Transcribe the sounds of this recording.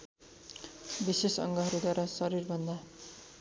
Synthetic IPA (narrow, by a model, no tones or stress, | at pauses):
bisesʌ̰ŋɡʌɦʌɾud̪waɾasʌɾirbʱʌnd̪a